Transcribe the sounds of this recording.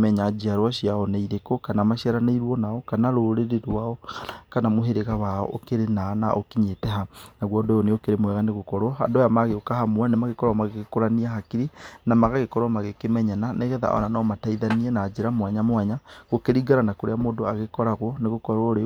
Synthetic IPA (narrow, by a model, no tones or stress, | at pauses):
mɛɲad͡ʒiaɾwaɕiaɔnaiɾekokanamaʃiaɾaneiɾwɔnaɔkanaɾoɾeɾeɾaɔkanamoɦeɾeɣawaɔ̰ʔokeɾenanaʔokiɲetɛɦanaɣwɔdɔjɔneokeɾemwɛɣaneɣokɔɾwɔha̰ndojamaɣeokaɦamwanemaɣekɔɾwamaɣekekoɾaniaɦakiɾinamaɣaɣekɔɾwɔmaɣekemɛɲananeɣɛða̰ʔɔ̰nanamataiðaniɛnaːd͡ʒeɾamwaɲamwaɲaɣokeɾiɡaɾanakoɾeamoːdoaɣekɔɾaɣwɔneɣokɔɾawɔɾe